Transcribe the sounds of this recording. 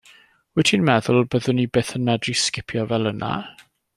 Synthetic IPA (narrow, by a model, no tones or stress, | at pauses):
wɛtʰinmɛðʊlˠbəðənibeːθənmɛdriskɪpʰjɔvɛlˠənʔa̰